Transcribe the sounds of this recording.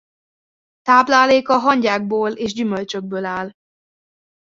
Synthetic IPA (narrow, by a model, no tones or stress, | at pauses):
t̪aːblaːleːkɒɦɒɲɟaːɡ̚boːleːʒɟymølt͡ʃøɡ̚bøːlaːl